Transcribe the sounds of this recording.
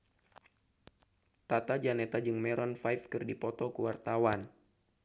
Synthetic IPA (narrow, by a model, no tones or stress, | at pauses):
t̪at̪ad͡ʒanɛt̪ad͡ʒɨŋmɛɾɔnfajfkɨrdipɔt̪ɔkuwart̪awan